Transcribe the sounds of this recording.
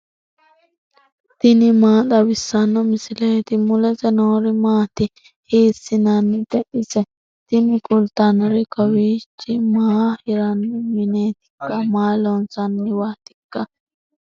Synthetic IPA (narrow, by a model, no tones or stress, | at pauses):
t̪ɪnɪmaːɗ̪ɐwɪsːɐnːɔmɪsɪleːt̪ɪmʊlɛtɛnoːɾɪmaːt̪ɪ | heːsːɪnɐnːɪd̪ɛʔɪsɛ | t̪ɪnɪkʼʊlt̪ɐnɾɪkɔwiːt͡ʃːɪmaːhɪɾɐnːɪmɪneːt̪ɪ̥kːɐmaːlɔnsɐnːɪwaːt̪ɪ̥kːɐ